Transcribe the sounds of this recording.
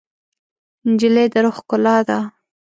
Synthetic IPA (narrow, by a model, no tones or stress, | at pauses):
nd͡ʒɪled̪əɾoxkʊlɑd̪a